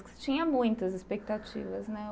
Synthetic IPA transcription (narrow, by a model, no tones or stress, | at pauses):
kɪst͡ʃĩɲɐmũj̃t̪ɐzɪspek̚t̪at͡ʃḭvɐznɛ